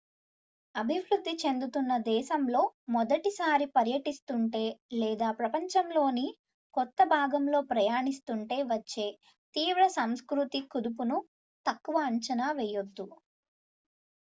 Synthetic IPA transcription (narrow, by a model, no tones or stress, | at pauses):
ɐbʱiʋɾud̪ːit͡ʃe̞nd̪ut̪unːɐd̪ɛːʃɐmlo̞ːmɔd̪ɐʈisaːɾipɐɾjɐʈist̪uɳʈe̞ːlɛːd̪aːpɾɐpɐɲt͡ʃɐmlo̞ːni | kɔt̪ːɐbʱaːɡɐmlo̞ːpɾɐjaːɳist̪uɳʈe̞ːʋɐt͡ʃːe̞ː | t̪iːʋɾɐsɐmskɾut̪ikud̪upunu | t̪ɐkːuʋɐːɲt͡ʃɐnaːʋɛːjod̪ːu